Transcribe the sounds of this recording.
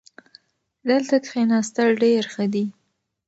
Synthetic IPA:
d̪əlt̪ak̪xenɑst̪aɽɖeɾxəd̪i

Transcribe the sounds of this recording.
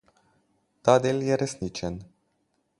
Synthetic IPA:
t̪ad̪eljeɾesnit͡ʃen

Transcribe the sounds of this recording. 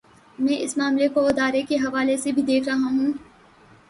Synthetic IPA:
mɛ̃ːʔɪsmaːmlekoɪd̪aːɾekeɦɐʋaːlesebʱid̪eːkʰɾɐɦaɦũː

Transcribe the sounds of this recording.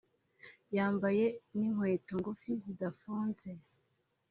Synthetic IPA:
jaːmbaje̞niŋwe̞ːtoŋɡofizidafuːnze

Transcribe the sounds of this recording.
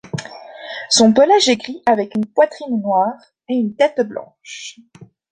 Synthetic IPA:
sɔ̃pɔlaʒeɡʁiʔavɛkynpwat̪χinnwaːʁ | eynt̪ɛt̪blɑ̰̃ʃ

